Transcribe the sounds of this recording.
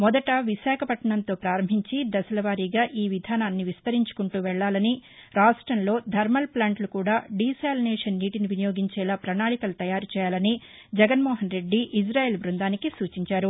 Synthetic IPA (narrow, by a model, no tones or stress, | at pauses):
mɔd̪ɐʈɐʋiʃaːkʰɐpɐʈɐɳɐnt̪o̞ːpɾaːɾɐmbʱiɲt͡ʃid̪ɐsɐlɐʋaːɾiːɡaːʔiːʋid̪ʱaːnaːnːiʋist̪ɐɾiɲt͡ʃu̥kuɳʈuːʋɛɭːaːlɐniɾaːʂʈɾɐnlo̞ːd̪ʱɐɾmɐlplaːɳʈlukuːɽaːɖiːsaːlnɛːʂɐnːiːʈiniʋinijo̞ːɡiɲt͡ʃɛːlaːpɾɐɳaːɭikɐlɐt̪ɐjaːɾut͡ʃɛːjaːlɐni | d͡ʒɛɡɐnmɔːɦɐnɾe̞ɖːiʔːsɾaːjeːlbɾund̪aːnikisuːt͡ʃiɲt͡ʃaːɾu